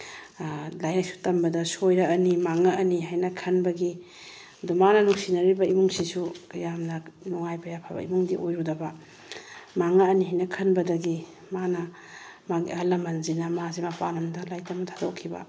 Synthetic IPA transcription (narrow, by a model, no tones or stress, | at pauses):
lajaksu̥tɐmbɐdɐsojɾɐɐnimaŋɐɐniɦajnɐkʰɐnbɐɡi | dumanɐnuksinɐɾibɐimuŋsisukɐjamnɐnuŋajpɐjapʰabɐ̰ḭmuŋdiʔojɾudɐbɐ | maŋɐːniɦajnɐkʰɐnbɐdɐɡi | manɐ | maɡḭɐlɐmɐnzinɐmazimɐpanɐmdɐlajtɐmɐtʰadokʰːibɐ̰